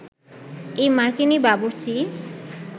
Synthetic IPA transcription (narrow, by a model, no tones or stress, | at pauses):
ejmaɾkinibabuɾt͡ɕi